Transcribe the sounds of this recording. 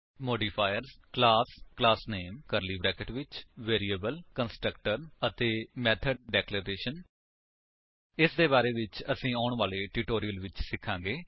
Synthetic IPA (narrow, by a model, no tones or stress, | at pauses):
moːɖiːpʰaːjəɾzklaːsklaːsneːmkəɾliːbɾɛːkəʈʋɪt͡ʃʋeːɾiːəbəlkənsʈɾək̚ʈəɾət̪eːmɛːt̪ʰəɖ̚ɖɛːkləɾeːʃən | ɪsd̪eːbaːɾeːʋɪt͡ʃəsĩːaːɳʋaːleːʈuːʈoːɾijəlʋɪt͡ʃsɪkʰːãːɡeː